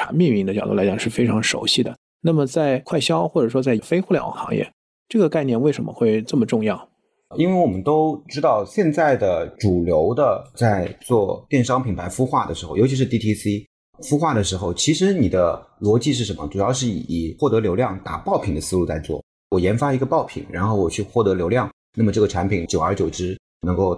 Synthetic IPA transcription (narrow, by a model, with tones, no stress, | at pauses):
a̰˧˥mi˥˧ŋmi˥˩ŋd̪ə˧t͡ɕɑ˨ʊd̪ṵ˥˩lt͡ɕjɑ˨˩ŋʂɻ̩˥˩fe˥ɪʈ͡ʂʰɑ˧˥ŋʂo̰˧˥ʊɕi˥˩d̪ə̰˩ | na˥˩mə˩t͡sa˥˧ɪkʰwa˥˩ɪɕjɑ˥ʊxwɔ˥˩ʈ͡ʂɤ˨˩ʂwɔ˥t͡sa˥˩ɪ˩fe˥ɪxu˥˩ljɑ̰˨˩ʊ̰˨˩ŋxɑ̰˧˥ŋjɛ̰˥˩ | ʈ͡ʂɤ˥˩ɡə˩ka˥˧ɪnjɛ˥˧nwe˥˩ɪʂə˧˥nmə̰˧xwe˥˧ɪʈ͡ʂə˥˩mə˩ʈ͡ʂʊ˥˧ŋjɑ˥˩ʊ | i˥nwe˥˩ɪwɔ˨˩mə˦nt̪o˥ʊʈ͡ʂɻ̩˥t̪ɑ˥˧ʊɕjɛ˥˧nt͡sa˥˩ɪd̪ə˩ʈ͡ʂu˨˩ljo˧˥ʊd̪ə˧t͡sa˥˧ɪt͡swɔ˥˧t̪jɛ˥˩nʂɑ˥ŋpʰi˨˩ŋpʰa˧˥ɪfu˥xwa˥˩d̪ə˩ʂɻ̩˧˥xo˥˩jo˧˥t͡ɕʰi˧˥ʂɻ̩˧t̪i˥˧t̪ʰi˥si˥ | fu˥xwa˥˩d̪ə˩ʂɻ̩˧˥xo˧˩ʊt͡ɕʰi˧˥ʂɻ̩˧˥ni˨˩d̪ə˦lwɔ˧˥t͡ɕi˥˧ʂ̬ɻ̩˥˩ʂə˧˥nmə̰˧ʈ͡ʂu˨˩jɑ˥˧ʊʂ̬ɻ̩˥˩ḭ˨˩i˨˩xwɔ˥˩t̪ɤ˧˥ljo˧˥ʊljɑ˥˩ŋt̪a̰˨˩pɑ˥˩ʊpʰi˨˩ŋd̪ə˦sɹ̩˥lu˥˧t͡sa˥˧ɪt͡swɔ̰˥˩ | wɔ˨˩jɛ˧˥nfa˥i˧˥ɡə˧pɑ˥˩ʊpʰḭ˨˩ŋɻa̰˧˥nxo˥˩wɔ˨˩t͡ɕʰy˥˧xwɔ˥˩t̪ɤ˧˥ljo˧˥ʊljɑ˥˩ŋ | na˥˩mə˩ʈ͡ʂɤ˥˩ɡə˩ʈ͡ʂʰa˧˥npʰi˨˩ŋt͡ɕjo˨˩ʊə˞˧˥t͡ɕjo˨˩ʊʈ͡ʂɻ̩˥ | nɤ˧˥ŋko˥˩ʊ